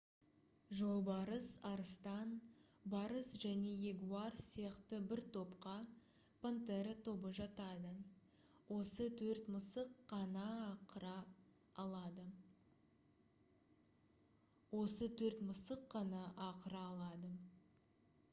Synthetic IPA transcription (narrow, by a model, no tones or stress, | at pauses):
ʒo̞lˠbɑɾəsɑɾəst̪ɑn | bɑɾəsʒæne̞je̞ɡuɑrsijɑqt̪əbɪɾt̪ʰo̞pqɑ | pʰont̪eɾat̪ʰo̞bəʒɑt̪ɑd̪ə | wo̞sət̪ʰɵɾt̪məsəqːɑnɑːqəɾɑː | lˠɑd̪ə | wo̞sət̪ʰɵɾt̪məsəqːɑnɑʔɑqəɾɑːlˠɑd̪ə